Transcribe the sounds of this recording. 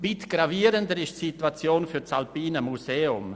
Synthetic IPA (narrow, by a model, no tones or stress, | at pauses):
bɪtɡ̥raviːəɾəndəɾɪʃsitwat͡sjoːnfyɾt͡salpiːnəmuseːʊm